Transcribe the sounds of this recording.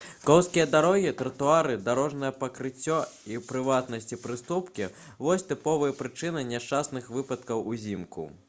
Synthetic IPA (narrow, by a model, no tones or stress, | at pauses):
kɔwskʲijɐd̪aɾɔɣʲit̪ɾɐt̪uaɾɨd̪aɾɔʐnɐjɐpɐkɾɨt͡sʲːɔipɾɨvat̪nɐsʲt͡sʲipɾɨst̪upkʲi | vɔsʲt̪ɨpɔvɨjɐpɾɨt͡ʂɨnɨnʲɛʂt͡ʂasnɨxvɨpɐt̪kɐwuzʲimkṵ